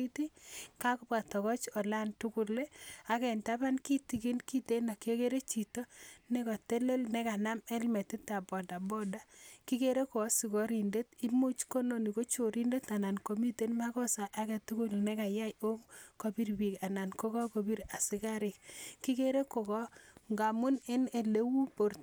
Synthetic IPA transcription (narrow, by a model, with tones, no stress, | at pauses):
i˦ti˦ka˦kʊ˦pa˨tɔ˨kɔ˦t͡ʃɔ˨la˦ntu˦ku˨le˦a˨kɛ˨nta˦ba˦nki˦ti˨ki˦nki˦te˦na˨ke˦ke˦ɾe˦t͡ʃi˨tɔ˦ne˦kɔ˨te˦le˦lnɛ˦ka˨na˦mɛ˦lmɛ˨ti˦ta˨bɔ˨da˨bɔ˦da˦ki˦ke˦ɾe˦ko˨ɔ˦si˨kɔ˨ɾi˨nde˦ti˦mu˦t͡ʃko˦no˨ni˨ko˦t͡ʃo˨ɾi˦nde˦ta˨na˨nko˨mi˦te˦nma˦kɔ˦sa˨ʔːkɛ˨tu˦kʊ˦lnɛ˦ka˨ja˦jo˦ŋko˨pi˦ɾbi˨ka˨na˨nko˦kɔ˦ko˨bi˦ɾa˨sɪ˦ka˦ɾɪ˨k̚ki˦ke˦ɾe˦ko˨kɔ˦ŋɡa˨mʊ˦ne˦ne˨le˦wu˦po˨ɾt